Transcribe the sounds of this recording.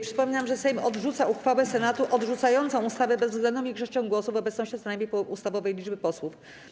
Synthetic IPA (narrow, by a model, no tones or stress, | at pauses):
pʂɘ̥pɔmʲiɲamʐɛsɛjmɔd̪ʐut̪sauxfawɛsɛnat̪uʔɔd̪ʐut̪sajɔnt̪sɔ̃w̃ust̪avɛbɛzvzɡlɛnd̪ɔ̃m̃iɡʐɛʂt͡ɕɔ̃w̃ɡwɔsuvɔbɛt̪snɔɕt͡ɕɛznajmʲejpust̪avɔvɛjlʲid͡ʐbɘpɔswuf